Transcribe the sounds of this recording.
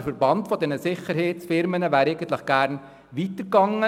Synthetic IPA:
fəɾbɑntfɔdɛnəsɪχəɾhet͡sfɪɾmənəvæːɾeɪɡ̥ən̩t̪lɪχɡ̥æːɾn | ʋitəɾɡɑŋːə

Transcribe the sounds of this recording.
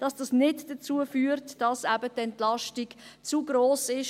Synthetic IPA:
d̥ɑsd̥ɑsnɪdd̥ət͡suəfyːəɾtd̥ɑsæbətɛntlɑʃtiɡ̥t͡suɡɾoːsɪʃ

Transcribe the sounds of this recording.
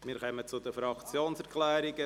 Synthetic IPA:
miːɾkœmət͡sʊd̪əfɾɑkt͡sjoːnsɛɾkʰlɛːɾɪɡə

